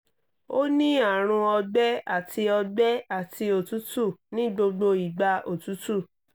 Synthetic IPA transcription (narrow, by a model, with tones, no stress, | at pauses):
o˦nĩ˦a˦˨ɾ̃ũ˧ɔ˧ɡ͡bɛ˦a˦˨tʰi˧ɔ˧ɡ͡bɛ˦a˦˨ti˧o˨tu˨˦tu˦˨nĩ˦ɡ͡bo˧ɡ͡bo˧i˨ɡ͡ba˧ʔo˨tu˨˦tu˦˨